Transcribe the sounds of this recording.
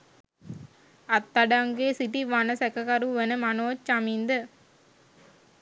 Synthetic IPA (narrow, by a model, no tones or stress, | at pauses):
ɐt̪ːɐɖaŋɡeːsiʈiʋanɐsɛkɐkɐɾuʋenɐmɐnoːt͡ʃːamind̪ə